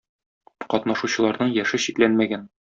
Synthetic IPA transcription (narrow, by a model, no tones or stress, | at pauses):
qɒt̪nɑʃuɕɤ̆lˠɑɾnɤɴjæʃɘɕit̪lænmæɡæn